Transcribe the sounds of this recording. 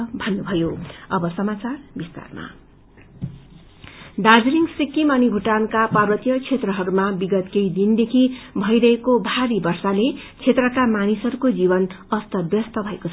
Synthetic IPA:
bʱʌnːubʱʌjoʌbʌsʌmat͡sarbist̪a̰rma̰ | ɖad͡zliŋɡsikːimanibʱuʈankaparwʌt̪ijʌt͡sʰet̪rʌɦʌɾumabiɡʌt̪kejd̪ind̪ekʰibʱʌjɾʌɦekobʱaɾibʌrsale | t͡sʰet̪rʌkamanisʌɾukod͡zibʌn | ʌst̪ʌbjʌst̪ʌbʱʌekot͡sʰ

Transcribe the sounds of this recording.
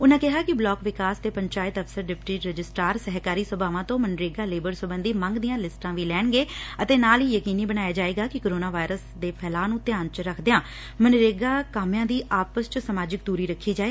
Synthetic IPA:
ʊnãːkɪɦaːkɪblɔːkʋɪkaːst̪eːpəɲt͡ʃaːɪt̪əfsəɾɖɪpʈiːɾəd͡ʒɪsʈaːɾsəɦkaːɾiːsəbʱaːʋãːt̪õːmənɾeːɡaːleːbəɾsəbənd̪iːməŋɡd̪ijãːlɪsʈãːʋiːlɛːɳɡeːət̪eːnaːliːjəkiːniːbəñaːjaːd͡ʒaːeːɡaːkɪkoːɾoːnaːʋaːɪɾəsd̪eːpʰɛːlaːnũːt̪ɪjaːnt͡ʃɾəkʰd̪ejãː | mənɾeːɡaːkaːmjãːd̪iːʔaːpəst͡ʃsəmaːd͡ʒɪkd̪uːɾiːɾəkʰːiːd͡ʒaːeː

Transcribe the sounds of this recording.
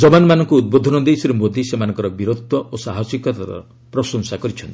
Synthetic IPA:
d͡ʒɔbanmanɔŋkuːd̪̚bod̪ʱɔnɔd̪ejsiɾemod̪ʱisemanɔ̃ŋkɔɾɔbiɾot̪wɔʔosaɦɔsikɔt̪a̰ɾɔ̰ | pɾɔsɔŋsakɔɾit͡ʃʰɔnt̪ii

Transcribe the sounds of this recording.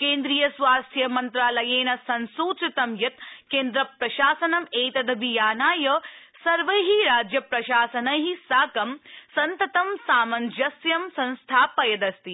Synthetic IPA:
keːnd̪ɾijɐsʋaːst̪ʰjɐmɐnt̪ɾaːlɐjeːnɐsɐnsuːt͡ʃɐt̪ɐmjɐt̪keːnd̪ɾɐpɾɐʃaːsɐnɐmeːt̪ɐd̪ɐbijaːnaːjɐsɐɾʋɐɦiɾaːd͡ʒjɐpɾɐʃaːsɐnɐɦisaːkɐmsɐnt̪ɐt̪ɐmsaːmɐnd͡ʒɐsjɐmsɐ̃nst̪ʰaːpɐjɐd̪ɐst̪i

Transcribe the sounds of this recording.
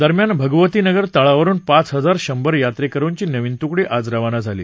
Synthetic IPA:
d̪əɾmjanbʱəɡʋət̪iːnəɡəɾt̪aɭaʋəɾuːnpat͡sɦəd͡zaɾɕəmbəɾjat̪ɾekəɾuːnt͡ɕiːnəʋint̪ukɽiːʔʔad͡zɾaʋanad͡zʱalḭː

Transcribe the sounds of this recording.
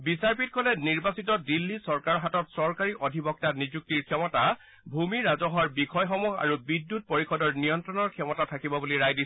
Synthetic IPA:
bisaɹpitkʰɔlɛniɹbasitɔdilːisɔɹkaɹɔɦatɔtsɔɹkaɹiʔɔdʱibɔk̚tanizuk̚tiɹkʰɛmɔta | bʱumiɹazɔɦɔɹbixʰɔjxɔmuɦa̰ɹubidːut̚poɹixʰɔdɔɹnijɔntɹɔnɔɹkʰɛmɔtatʰakibɔbuliɹajdi

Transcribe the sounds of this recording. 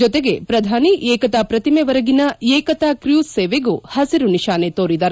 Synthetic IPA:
d͡ʒɔt̪eɡe̞pɾɐd̪ʱaːniʔeːkɐt̪aːpɾɐt̪imeʋɐɾɐɡinɐeːkɐt̪aːkɾjuːseːʋeɡuhɐsiɾuniʃaːnet̪oːɾid̪ɐːɾ

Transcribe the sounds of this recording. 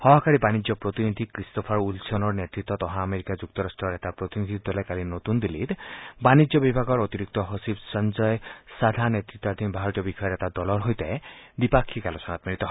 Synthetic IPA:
hɔɦɔkaɾibanid͡ʒjɔpɾɔt̪inid̪ʱikɾistɔpʰaɾulsʰɔnɔɾnet̪ɾit̪ːɔt̪ɔɦãameɾikad͡ʒuk̚t̪ɔɾasʈɾɔɾet̪apɾɔt̪inid̪ʱid̪ɔlakalinot̪und̪ilit̪banid͡ʒjɔbibʱaɡɔɾɔt̪iɾik̚t̪ɔɦɔsibsɔnd͡ʒɔjsad̪ʱanjet̪ɾit̪ːɔaɾt̪ʰinbʱaɦɾɔt̪ijɔbixɔjɔɾetad̪ɔlɔɾɦojt̪aed̪ipakʰːikalɔsɔnat̪miɾit̪ɔɦ

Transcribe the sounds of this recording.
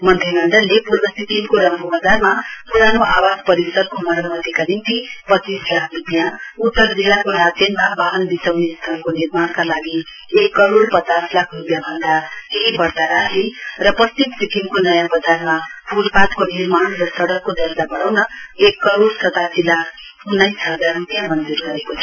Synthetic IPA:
mʌnt̪ʰeɡʌɳɖʌlːepuɾbʌsikʰiŋkoɾʌmbubad͡zarmapuɽanoʔawad͡zpʌɾisʌɾkomʌɾamʌt̪ikanint̪ipʌt͡sːislakʰrupjaut̪ːʌɾd͡zilːakoɾad͡zenmabaɦʌnd̪isawnest̪ʰʌnkonirmaɽkalaɡi | ekːʌɾoɽpʌt͡saslakʰrupjabʱʌnd̪aeibʌrt̪aɾaɦerʌpʌstimsikʰiŋkonʌjabʌd͡zaɾmapuɾbat̪konirmanrʌsʌɽʌkːod̪ʌld̪abʌɽ̃awnʌekːʌɾoɽsʌt̪ad͡zilːakʰ | unːajsɦʌd̪arrupjãmʌnd͡zurɡʌɾekot͡sʰʌ

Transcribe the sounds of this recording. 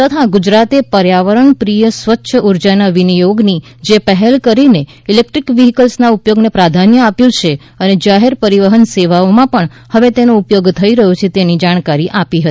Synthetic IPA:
t̪ət̪ʰaɡud͡ʒɾat̪epəɾjaʋəɾəɳpɾijəsʋətːʃʰəuɾd͡ʒanaʋinijoɡni | d͡ʒepəɦɛlkəɾine | ilek̚ʈɾikʋiɦikəlsnaupjoɡnepɾad̪ʱanjəapjũt͡ʃʰe | əned͡ʒaɦeɾpəɾiʋəɦənseʋaomãpəɳ | həʋet̪enoupjoɡt̪ʰəiɾəɦjũt͡ʃʰet̪enid͡ʒaɽ̃kaɾiʔapiɦət̪i

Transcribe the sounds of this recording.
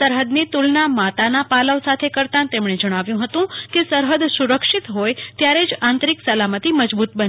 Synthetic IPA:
səɾɦəd̪nit̪ulnamat̪anapaləʋsat̪ʰekəɾt̪ãnt̪emɳ̃ed͡ʒəɽ̃aʋjũɦət̪ũkesəɾɦəd̪suɾəkʃit̪ɦojt̪jaɾed͡ʒãnt̪ɾiksəlamət̪iməd͡ʒbut̪̚bən

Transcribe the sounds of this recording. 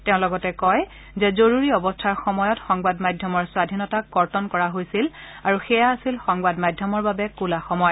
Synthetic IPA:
tɛʊ̃lɔɡɔtɛkɔj | zɛzoɹuɹiɔbɔstʰaɹxɔmɔjɔtxɔŋbadmajdʱjɔmɔɹswadʱinɔtakɡɔɹtɔnkɔɹaɦojsil | aɹuxɛjaːsilxɔŋbadmajdʱjɔmɔɹbabɛkulaxɔmɔj

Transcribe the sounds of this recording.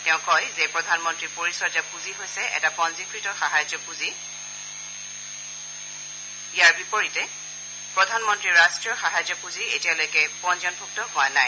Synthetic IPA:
tɛʊ̃kɔjzɛpɹɔdʱanmɔntɹipoɹisɔɹapuziɦojsɛʔɛ̰tapɔnzikʰɹitɔxaɦajzɔpuzi | ijaɹbipoɹitɛ | pɹɔdʱanmɔntɹiɹastɹiɔxaɦazɔpuzietijalojkɛpɔnziɔnbʱuk̚tɔɦʊa̰naj

